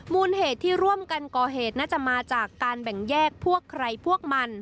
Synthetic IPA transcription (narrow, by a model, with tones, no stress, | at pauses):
muː˧nheː˨˩t̪ʰːiː˥˩ɾu˥˩əmka˧nkɔː˨˩ɦeː˨˩t̪̚naː˥˩t͡ɕa˨˩ʔmaː˧t͡ɕaː˨˩kːaː˧nbɛ˨˩ŋjɛː˥˩k̚pʰu˥˩əkʰːɾa˧jpʰu˥˩ək̚ma˧n